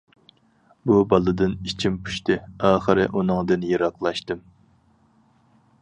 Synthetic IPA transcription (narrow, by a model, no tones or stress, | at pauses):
bubɑlˠɨd̪ɨnit͡ʃʰimpʰu̥ʃt̪ʰɨɑːχɨɾɪ̰ʔunɨŋd̪ɨnjeɾɑqlˠɑʃt̪ɨm